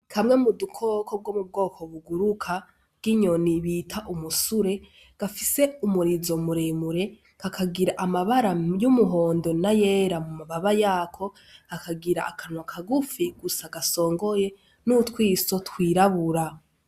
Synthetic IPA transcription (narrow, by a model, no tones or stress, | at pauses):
kʰamŋe̞mudukʰokʰo̞b̚ɡwomub̚ɡo̞ːkʰo̞βuɡuɾukʰḁ | ɡ̥iɲo̞niβiːtʰaʔumusuɾe̞ | ɡ̥afise̞umuɾizo̞muɾemuɾe̞ | kakʰaɡiɾaʔamaβaɾajumuɦo̞ːndo̞naje̞ɾamumaβaβajaːkʰo̞ | akaɡiɾa̰ʔakʰanwakʰaɡufiɡusaɡaso̞ːŋɡo̞je̞ | nutwiːso̞twiːɾaβuɾa